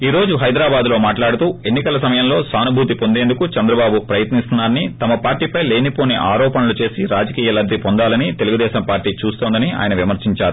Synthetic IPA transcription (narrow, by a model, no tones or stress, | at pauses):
iːɾo̞ːd͡ʒuɦɐjd̪ɾaːbaːd̪lo̞ːmaːʈlaːɽut̪uːe̞nːikɐlɐsɐmɐjɐmlo̞ːsaːnubʱuːt̪ipo̞nd̪e̞ːnd̪ukut͡ʃɐnd̪ɾɐbaːbupɾɐjɐt̪nist̪unːaːɾɐnit̪ɐmɐpaːɾʈiːpɐjle̞ːnipo̞ːneːʔaːɾɔːpɐnɐlut͡ʃe̞ːsiɾaːd͡ʒɐkiːjɐlɐd̪ʱipond̪aːlɐnit̪e̞luɡud̪ɛːʃɐmpaːɾʈːiːt͡ʃuːst̪oːnd̪ɐnia̰ːjɐnɐʋimɐɾsiɲt͡ʃaːɾu